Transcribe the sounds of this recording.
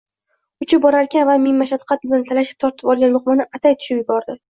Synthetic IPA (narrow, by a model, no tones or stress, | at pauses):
ʊt͡ʃʰɪp̚bɒɾaɾkʲʰanvamɪmmːaʃat̪qʰɑt̪̚bɪlant̪ʰalaʃɪ̥p̚t̪ʰɒɾt̪ʰɪ̥pɒlˠɡʲanlʊχmanɪʔat̪ʰajt̪ʰʊ̥ʃɪmjɪbɒɾd̪ɪ